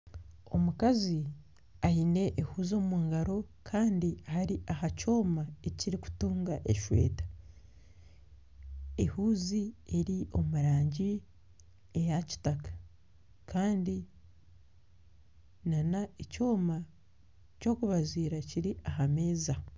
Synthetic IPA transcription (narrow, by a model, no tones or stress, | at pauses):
o̞̰mukazi | ajine̞ʔːhuːzo̞ːmuːŋɡaɾo̞kʰaːndiahaɾiʔahaco̞ːmaeciɾiku̥tuːŋɡaʔeʃwe̞̰ːtḁ | ehuːzie̞ɾio̞muɾaːɲɟi | e̞jaci̥takḁ | kaːndi | nanaeco̞ːma | co̞ːkuβaziːɾaciɾiʔahame̞ːza